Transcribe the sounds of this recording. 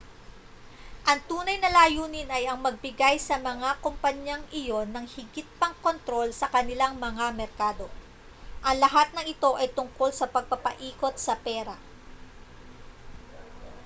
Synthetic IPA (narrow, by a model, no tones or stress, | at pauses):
ʔɐŋt̪uːnɐjnɐlaːjuːnɪnɐjɐŋmɐɡ̚bɪɡajsɐmɐŋakompɐɲjaŋʔɪjo̞nːɐŋhɪɡɪt̪̚pɐŋko̞nt̪ɾo̞lsɐkɐnɪlaŋmɐŋamɛɾkaːd̪o̞ | ʔɐŋlɐɦat̪̚nɐŋɪt̪o̞ʔɐjt̪ʊŋko̞lsɐpɐɡ̚pɐpɐ̰ʔiːko̞t̪̚sɐpɛːɾɐ